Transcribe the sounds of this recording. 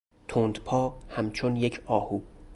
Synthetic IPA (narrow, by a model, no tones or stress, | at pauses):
t̪ʰoːnd̪pʰɒːhæmt͡ʃʰonjecʰɒːhuː